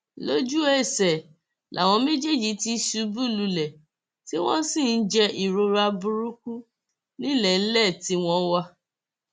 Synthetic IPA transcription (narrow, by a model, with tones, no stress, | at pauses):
lo˦d͡ʒu˦e˦˨sɛ˨ | lʔa̰˨w̃ɔ̃˧me˦d͡ʒe˦˨d͡ʒi˨˦ti˧ʃu˧bu˦lu˧lɛ˨ | ti˦w̃ɔ̃˦sĩ˦˨n̩˦d͡ʒɛ˧ʔi˨ɾo˧ɾa˧bũ˧ɾu˦ku˦ | nĩ˦lɛ˦˨n̩˦lɛ˦˨ti˨˦w̃ɔ̃˦wa˧